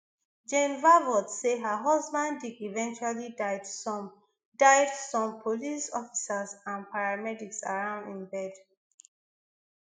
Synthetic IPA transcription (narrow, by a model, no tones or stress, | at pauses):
d͡ʒẽmvavɔdseɦəɦɔzbãnddidivɛ̃nt͡ʃualidaɪdsɔm | daɪdsɔ̃mpʰolisɔfi̥səsãnpʰaɹamɛdiksa̰ɹãʊ̃ndĩnbɛd